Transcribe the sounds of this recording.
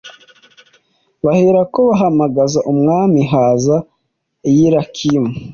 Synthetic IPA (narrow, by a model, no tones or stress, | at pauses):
βaheɾakoβaɦamaɡazaʔumŋaːmiɦaza | jiɾakʰimu